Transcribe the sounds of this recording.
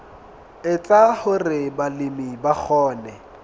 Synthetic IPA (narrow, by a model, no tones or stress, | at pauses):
ɪt͡sʼahʊrɪbalɪmibak͡xʰɔːnɛ